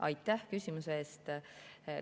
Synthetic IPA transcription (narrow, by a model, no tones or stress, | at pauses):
ʔɑ̰jt̪ˑːæhkysʲimuseeːst̪